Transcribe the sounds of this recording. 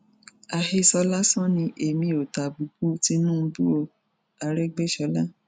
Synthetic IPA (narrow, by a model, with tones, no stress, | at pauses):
a˨he˧sɔ˧la˦sɔ̃˦nĩ˧ʔe˨mĩ˧o˨ta˨bu˨bu˦ti˧˦nũ˦˧˦bu˦o˧ | a˧ɾɛ˦ɡ͡be˦ʃɔ˧˦la˦